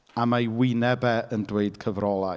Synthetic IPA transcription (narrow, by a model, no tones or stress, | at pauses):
amajwɪnɛbɛəndweɨd̥kʰəvrɔlˠa